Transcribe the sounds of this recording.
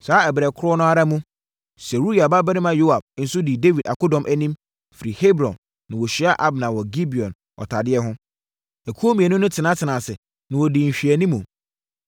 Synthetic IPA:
saː˨˦ɛ˨bɾɛ˨kʰʊ˦ɾɔ˦nʊ̃˦a˦ɾa˦mũ˦ | sɛ˨ɾu˦ɾi˦a˨ba˦bɛ˦nɪ˦mã˦jo˦a˨b̚n̩˨˦sʊ˦di˨de˦vi˨da̰˨kʊ˦dɔ̃˨mʔæ˦nĩ˦m | fi˨ɾi˨he˦bɾɔ̃˨nː | ã˨wɔ˨ɕᶣi˦a˦ʔa˦bnã˨wɔ˨ɡi˦bi˨ɔ̃˨n | ɔ̰˨tʰa˨dɪ˦ɛ˦ɦʊ̃˦ | æ˨kʰu˦o˦mĩ˨ɛ˨nʊ̃˦nʊ̃˦tʰɪ˨nã˦tʰɪ˨nã˨sɪ˨ | nã˨wɔ˨dĩ˨m̩˨ɕᶣi˨æ˨nĩ˦mũ˨

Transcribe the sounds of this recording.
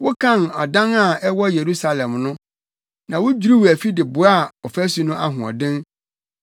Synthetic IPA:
wʊ˦kʰã˦˨nɔ˨dã˦na˦˨ɛ˦wɔ˦je˨ɾu˦sa˦lɛ̃˨mnʊ̃˦ | nã˨wʊ˦d͡ʑᶣu˨ɾi˦wæ˨fi˦dɪ˨bʊ˨˦a˦˨ɔ˨fæ˦su˨nʊ̃˦ʔa˦ɦʊ̃˨ɔ̰˨dɪ̃˦n

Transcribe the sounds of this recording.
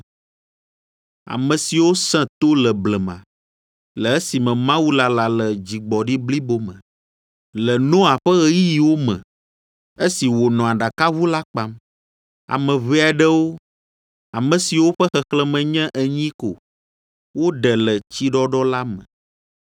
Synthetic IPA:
a̰˨mə̃˨si˨wo˦sɛ̃˦t̪o˦lə˨blɛ˨mã̰˨ | lə˨e˦si˨mɛ̃˨mã˦wu˦la˨la˨lə˨d͡ʑi˨ɡ͡bɔ˨ɖi˦bli˦bo˦mə̰̃˨ | lə˨nɔ̃˦a˨ɸɛ˦ɣɛ˦ji˦ji˨wo˦mɛ̰̃˨ | e˦si˨wo˨nɔ̃˨a˨ɖa˨ka˦βu˦la˦k͡pa˦m | a̰˨mɛ̃˨βe˦a˨ɖɛ˦wo˦ | a˨mɛ̃˨si˨wo˦ɸɛ˦xɛ˨xlɛ˦mɛ̃˨ɲɛ̃˦ʔɛ˨ɲĩ˦ko˨ | wo˦ɖɛ˨lə˨t͡ɕi˦ɖɔ˦ɖɔ˦la˦mə̰̃˨

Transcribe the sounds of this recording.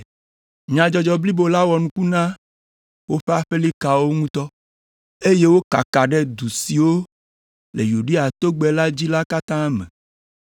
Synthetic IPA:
ɲã˨d͡ʒɔ˨d͡ʒɔ˨bli˦bo˦la˦wɔ˨nũ˦ku˦nã˦ | wo˦ɸe˦a˦ɸe˦li˦ka˨wo˦ŋũ˦t̪ɔ˦ | e˦je˦wo˦ka̰˨ka˨ɖɛ˦d̪u˨si˨wo˦ | le˨ju˨ɖe˦a˨t̪o˦ɡ͡bɛ˨la˦d͡ʑi˦la˦ka˦t̪ã˦mɛ̰̃˨

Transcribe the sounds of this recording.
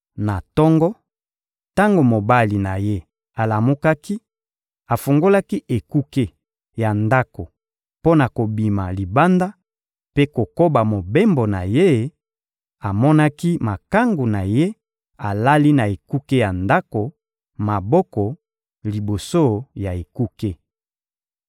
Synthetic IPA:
na˨tɔ˦ŋɡɔ˦ | ta˦ŋɡo˨mo˨ba˦li˨na˨je˦ | a˨la˨mu˦ka˦ki˦ | a˨fu˨ŋɡo˦la˦ki˦ʔe˨ku˦ke˦ | ja˨nda˦ko˨ | po˦na˨ko˨bi˨ma̰˨li˨ba˦nda˦ | pe˦ko˨ko˦ba˨mo˨be˦mbo˨na˨je˦ | a˨mɔ˦na˦ki˦ma˨ka˦ŋɡu˨na˨je˦ | a˨la˦li˦na˨e˨ku˦ke˦ja˨nda˦ko˨ | ma˨bɔ˦kɔ˨ | li˨bo˨so˦ja˨e˨ku˦ke˦

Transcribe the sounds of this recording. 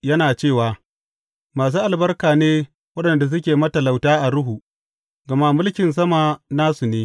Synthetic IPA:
jɐ˦naː˨t͡ʃeː˦˨waː˨ | maː˨s̬uː˦ʔa˨lbɐ˦rkaː˨neː˦ | wɐ˦ɗɐ˨nda˨s̬ʊ˦k̬ʲeː˨mɐ˦tɐ˨la˨wtaː˦ʔa˨ɾʊ˦ɦu˨ | ɡɐ˨ma˦mʊ˦lkʲɪ˨ns̬ɐ˦ma˨naː˦su˨neː˦

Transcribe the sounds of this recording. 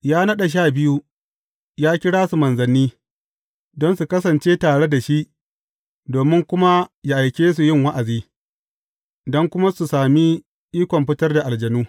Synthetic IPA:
jaː˦nɐ˦ɗa˨ʃ̬aː˦˨bɪ˦ju˦ | jaː˦kʲɪ˦ɽaː˦su˨mɐ˨nzɐ˨nːiː˦ | dɔ˦nsu˨kɐ˦s̬ɐ˨nt͡ʃeː˦taː˨ɽe˦da˨ʃi˦ʔ | doː˨mɪ˦ŋkʷʊ˦ma˦ja˦˨ʔa˨jkʲeː˦s̬u˨jɪ˦ŋwa˦ʔa˨ziː˦ | dɔ˦ŋkʷʊ˦ma˦su˨saː˨mi˦ | ʔiː˦kʷɔ˨mɸɪ˦tɐ˦rda˨ʔa˨ld͡ʒɐ˨nuː˦

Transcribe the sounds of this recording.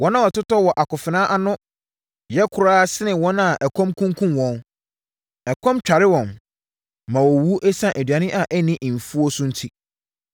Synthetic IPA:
wɔ˦nã˦wɔ˨tʊ˦tɔ˦wɔ˨ʔa˨kʊ˨fɪ˨nã˦ʔa˦nʊ̃˦ | jɛ˦kʰʊ˨ɾaː˦sɪ˦nɪ̃˨wɔ̃˦na˨ʔɛ˨kʰɔ̃˦mkʰũ˦ŋkʰũ˦mwɔ̃˦n | ɛ˨kʰɔ̃˦mt͡ɕᶣa˨ɾɪ˦wɔ̃˨n | mã˨wɔ˨wu˦ʔɛ˦sã˦˨ʔɛ˨dɥa˨nɪ̃˦ʔa˨ʔɛ˦nɪ̃˦ʔm̩˨fu˦o˦sʊ̃˦n̩˦tʰi˦

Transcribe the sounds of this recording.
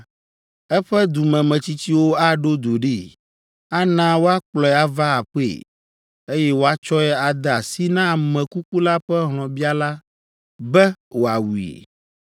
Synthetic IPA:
ɛ˦ɸɛ˦d̪u˨mɛ̃˨mɛ̃˨t͡ɕi˦t͡ɕi˦wo˦a˦ɖo˦d̪o˨ɖi˦ | a˦nã˦wo˦a˦k͡plɔ˨ɛ˨a˦va˦a˨ɸe˦˨ | e˦jɛ˦wo˦a˦t͡ʃɔ˦ɛ˦a˨d̪ɛ˨a˨si˦nã˦˨mɛ̃˨ku˦ku˦la˦ɸɛ˦ɦlɔ̃˨bi˦a˦la˦ | bɛ˦wo˨a˨wu˨ḛ˨

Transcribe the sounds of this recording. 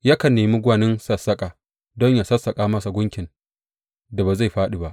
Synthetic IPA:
ja˦kɐ˨nːeː˨mi˦ɡʷa˨nɪ˦nsɐ˦sːɐ˦kʼa˨ | dɔ˦ɲja˨sɐ˦sːɐ˨kʼaː˦mɐ˦sa˨ɡʷʊ˦ŋkʲɪ˨n | da˨ba˨za˦˨jɸaː˦ɗi˨ba˦ʔ

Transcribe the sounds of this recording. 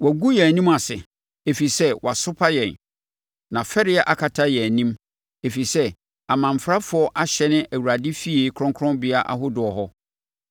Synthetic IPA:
wɔ˨ɡu˦jɛ˨nĩ˦ma˨sɪ˨ | e˨fi˨sɛ˦wʔa˨sʊ˦pʰa˦jɛ̃˨n | nã˨fɛ˦ɾɪ˦ɛ˦ʔa˨kʰa˨tʰa˦jɛ˨æ˨nĩ˦m | e˨fi˨sɛ˦ | a˨mã˨m˨fɾa˦fʊ˨˦ɔ˦ʔa˦ɕɛ˦nɪ̃˦ʔæ˨wu˨ɾa˨dɪ˦fi˦e˨˦kʰɾɔ̃˦ŋkʰɔ̃˦nbɪ˨a˦ʔa̰˨ɦʊ˦dʊ˨ɔ˨ɦɔ˦

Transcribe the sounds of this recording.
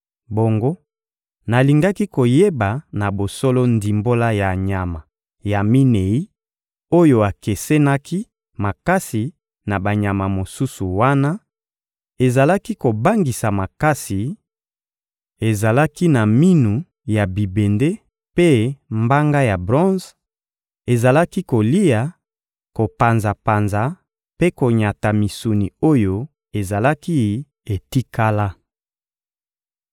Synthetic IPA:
bo˨ŋɡo˦ | na˨li˨ŋɡa˦ki˦ko˨je˦ba˨na˨bo˨so˦lɔ˦ndi˨mbo˦la˦ja˨ɲa˨ma˨ | ja˨mi˦ne˨i˦ | o˦jo˨a˨ke˨se˦na˦ki˦ | ma˨ka˦si˨ | na˨ba˨ɲa˨ma˨mo˨su˦su˨wa˦na˦ | e˨za˨la˦ki˦ko˨ba˦ŋɡi˨sa˨ma˨ka˦si˨ | e˨za˨la˦ki˦na˨mi˦nu˨ | ja˨bi˨be˨nde˦ | pe˦mba˦ŋɡa˦ja˨bʁɔ̃˦z | e˨za˨la˦ki˦ko˨li˦ja˨ | ko˨pa˨nza˨pa˨nza˨ | pe˦ko˨ɲa˨ta˨mi˨su˨ni˨o˦jo˦ | e˨za˨la˦ki˦ | e˨ti˦ka˦la˦

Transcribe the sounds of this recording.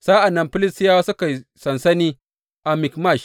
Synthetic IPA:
sa˦ʔa˨nːɐ˦mɸɪ˦lɪ˦stɪ˦ja˦wa˦sʊ˦ka˨jsɐ˨nsɐ˦niː˦ | ʔa˨mɪ˨kma˦˨ʃ

